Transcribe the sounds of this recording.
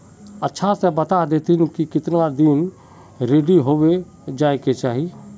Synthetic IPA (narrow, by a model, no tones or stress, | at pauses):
ətːʃʰasebət̪ad̪eːt̪ɪnkikɪt̪nad̪in | ɾeːɖiɦoːʋe | d͡ʒaːeket͡ʃaːɦie